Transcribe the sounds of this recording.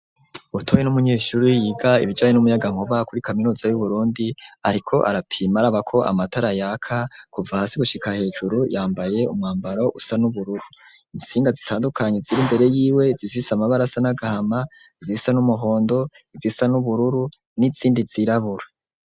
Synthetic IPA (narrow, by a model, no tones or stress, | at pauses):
utʰoje̞numuɲe̞ːʃuɾijiːɡaiβid͡ʒaːɲenumujaɡaŋ̥hoβakuɾikʰaminuːzajuβuɾuːndiaɾikʰo̞ʔa̰ɾapʰiːmaɾaβakʰo̞ʔa̰mataɾajakʰakuvahaːsiɡuʃikahe̞ːd͡ʒuɾujaːmbaje̞umŋaːmbaɾo̞ʔusanuβuɾuɾu | int͡siːndazitʰaːndukʰaɲe̞ziɾimbe̞ɾe̞jiːwe̞zifisamaβaɾasanaɡahama | izisanumuɦo̞ːndo̞ | izisanuβuɾuɾu | niz̥iːndiz̥iɾaβuɾḁ